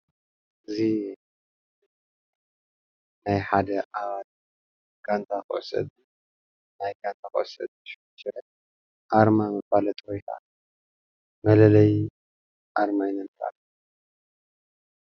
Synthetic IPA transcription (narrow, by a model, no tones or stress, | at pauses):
ɨzi | najħad̪ɐʔaβat̪̚ | kʰant̪ʰaxɨʔo̰sɐ̰d̪ | najkant̪ʰaxɨʔosɐ̰d̪̚ʃ | ʃɛ | ʔaɾmamɨfalɐt̪ʼkʰojk̪ʰa̰ | mɐlɐlɐj | ʔaɾmajnɐnt̪ʰa̰ɾ